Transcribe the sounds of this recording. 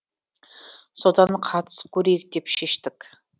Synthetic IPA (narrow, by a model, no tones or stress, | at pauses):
sod̪ɑnqʰɑt̪ʰə̥sə̥p̚kʲʰɵɾejɪk̚d̪e̞pʃeʃt̪ɪk